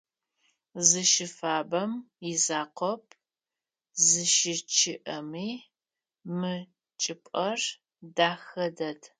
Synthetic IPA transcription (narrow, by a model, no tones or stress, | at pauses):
zɨʃɪfaːbɐm | jɪzaːqʷɔp̚ʼʰ | zɨʃɪt͡ʃʰɪʔɐmiː | mɨ | t͡ʃʼɪpʼɐr | daːxɐdɐdʰ